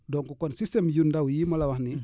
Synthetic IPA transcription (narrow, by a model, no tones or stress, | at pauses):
dɔŋkukɔnsistemjundawjimalawahni